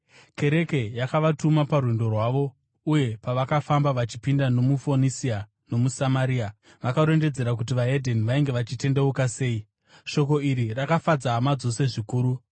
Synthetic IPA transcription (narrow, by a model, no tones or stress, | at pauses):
ke̞ɾe̞ke̞jakaʋatumaparwendo̞rwaːʋo̞ | uje̞paʋakafambaʋat͡ʃi̥pindano̞mufo̞nisia | no̞musamaɾiːa | ʋakaɾe̞nde̞d͡ze̞ɾak̬ut̬iʋaedʱe̞niʋaiŋɡeʋat͡ʃite̞nde̞ukase̞ːi | ʃo̞ko̞iɾirakafad͡zaːmad͡zo̞se̞ʐikuːɾu